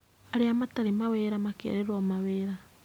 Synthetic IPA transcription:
aɾeamataɾemaweːɾamakea̰ɾeɾwɔmaβeɾa

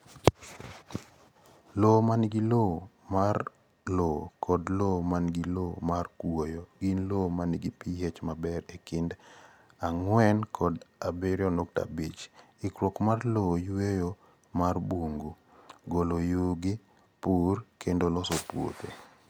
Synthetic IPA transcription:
lomanɡɪlo | mar | lokʰɔdlomanɡilomarkwojoɡinlomaniɡipijɛt͡ʃmabɛɾekɪnd | aŋwɛnkʰɔdabɪɾjɔnokta̰bit͡ʃ | ɪkɾokmarlojejo | marboŋɡo | ɡolojuɡɪ | purkʰendolɔsopwo̰t̪ḛ

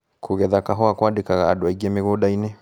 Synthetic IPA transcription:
kʰuɣɛðakaɦɔakwadekaɣaːdwaiɡɛmeɣoɗainɛ

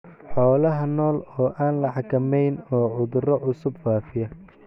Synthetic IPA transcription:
ħɔːlɐɦɐnɔːlɔːʔaːnlɐħɑkʰɐmɛjnɔːʕʊðʊrɔʕʊsʊbfaːfɪjɐ

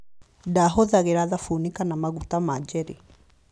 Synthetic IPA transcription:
daɦoðaɣeɾaðafunikanamaɣutamad͡ʒɛɾe

